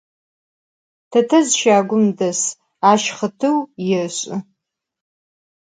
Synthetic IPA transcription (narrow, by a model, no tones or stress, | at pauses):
tʰɐtʰɐzʃaːɡʷʊmdɐs | aʃχətʰɨwjɪrɕʷʼʊ